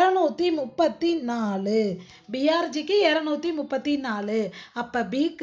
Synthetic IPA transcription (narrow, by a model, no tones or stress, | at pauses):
ɾɐnuːt̪ːimʊpːɐt̪ːinaːlɯ | bɪjaːɾd͡ʒikːɯɛːɾɐnuːt̪ːimʊpːɐt̪ːinaːlɯɐpːɐbiːk